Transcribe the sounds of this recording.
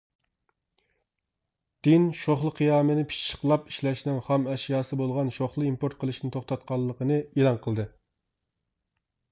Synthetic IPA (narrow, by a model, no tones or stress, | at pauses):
d̪̥ɪnʃoχlˠəqʰijɑːmɨnɪpʰi̥t͡ʃt͡ʃʰːə̥qlˠɑpi̥ʃlɛʃnɪŋχɑmɛʃjɑːsɨbolˠʁɑnʃoχlˠɨimpoɾt̪̚qʰəlˠɨʃnɪt̪ʰoχt̪ɑt̪̚qʰɑlˠːəqənɨelˠɑŋqʰəlˠd̪ɨ